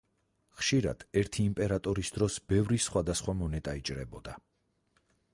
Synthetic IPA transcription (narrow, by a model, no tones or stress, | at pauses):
χʃiɾa̰d̪̥ɛɾt̪ʰiːmpʼɛɾat̪ʼɔɾisd̪ɾɔsb̥ɛvɾisχwad̪asχwamɔnɛt̪ʼait͡ʃʼɾɛbɔd̪a